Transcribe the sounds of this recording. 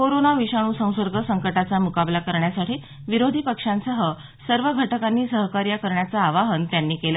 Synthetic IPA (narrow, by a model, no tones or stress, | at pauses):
koɾonaʋiɕaɽ̃uːsə̃w̃səɾɡʱəsəŋkəʈat͡samukablakəɾɳjasaʈʰiː | ʋiɾod̪ʱiːpəkʂãnsəɦə | səɾʋəɡʱəʈəkanːiːsəɦkaɾjakəɾɳjat͡saːʋaɦənt̪janːiːkelə